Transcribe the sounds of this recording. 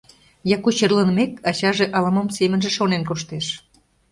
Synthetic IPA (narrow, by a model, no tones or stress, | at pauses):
jɑkut͡ɕərlənmekɑt͡ɕɑʒeʔɑlɑmomsemənʒĕʃonenkoʃt̪eʃ